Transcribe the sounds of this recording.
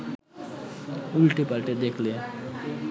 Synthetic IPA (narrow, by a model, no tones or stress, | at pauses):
mulʈipalʈed̪ekʰle